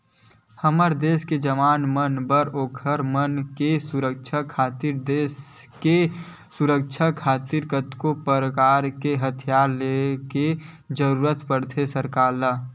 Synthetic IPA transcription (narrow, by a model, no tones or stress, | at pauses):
həməɾd̪eːsked͡ʒəmaːnmənbəɾoːkʰəɾmənkesuɾək̚t͡ʃʰəkʰaːt̪iɾd̪eːske | suɾək̚t͡ʃʰəkʰaːt̪iɾkət̪kopəɾəkaːɾkeɦət̪ʰijaːɾleke | d͡ʒəɾuːɾət̪pəɽt̪ʰesəɾkaːɾla